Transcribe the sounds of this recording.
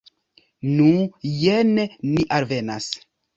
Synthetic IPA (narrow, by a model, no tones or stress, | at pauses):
nujeneniʔalve̞na̰s